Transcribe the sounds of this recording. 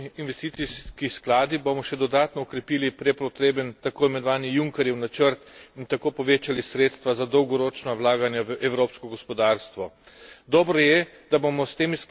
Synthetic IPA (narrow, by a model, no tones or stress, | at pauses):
inʋɛst̪iːt̪siskisklaːd̪ibomɔʃɛd̪ɔd̪aːt̪nɔɔkɾɛpiːlipɾɛpɾɔt̪ɾeːbənt̪akoːimɛnɔʋaːnijuŋkɛɾjɛwnat͡ʃəɾt̪int̪akoːpɔʋeːt͡ʃalisɾeːt̪st̪ʋazad̪ɔwɡɔɾoːt͡ʃnawlaːɡanjaʋəʔɛwɾoːpskɔɡɔspɔd̪aːɾst̪ʋɔ | d̪ɔːbɾɔjɛ | d̪̥abomɔst̪eːmis